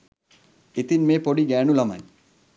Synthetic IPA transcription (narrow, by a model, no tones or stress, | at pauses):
et̪inmeːpoɽiɡɛːɳulama̰j